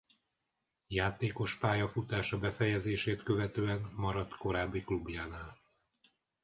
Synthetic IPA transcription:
jaːt̪eːko̞ʃpaːjɒfut̪aːʃɒbɛfɛjɛzeːʃeːt̪køvɛt̪øːɛnmɒɾɒt̪ko̞ɾaːbːiklubjaːnaːl

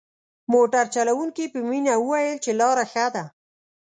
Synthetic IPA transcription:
moʈaɾt͡ʃalawuŋkipəminauwajəlt͡ʃelɑɾaxad̪a

